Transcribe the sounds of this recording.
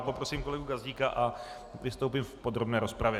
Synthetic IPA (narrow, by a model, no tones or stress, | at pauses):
po̞pɾo̞simko̞lɛɡuɡazɟiːkaʔa | vɪst̪owp̬imfpo̞d̪ɾo̞bnɛːɾo̞spɾavjɛ